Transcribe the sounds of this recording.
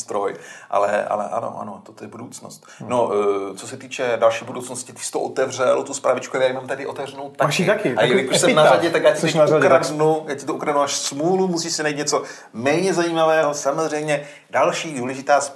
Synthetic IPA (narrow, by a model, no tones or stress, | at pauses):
t̪ɾojʔa̰lɛ̰ʔa̰lɛ̰ʔa̰no̰ʔa̰not̪ot̪ojɛbudowt͡sno̰st̪not͡sosɛt̪iːt͡ʃɛdalʃiːbudowt͡snoscɪt̪ɪ̥sɪ̥t̪oʔot̪ɛvr̝ɛlt̪uspɾavɪt͡ʃkuajaːjmamt̪adɪʔo̞t̪ɛvrɛnowt̪ːakiakɪajjakoʃsɛmnaɾaɟɛt̪akjaːcɪt̪ɛuakɾadnujaːcɪt̪oʔukɾadnuaʃsmuːlumusiːʃsɪnajit̪ɲɛt͡so̞ | mɛːɲɛzajiːmavɛːɦosamozr̝ɛjmɲɛ | dalʃiːduːlɛʒɪt̪aːs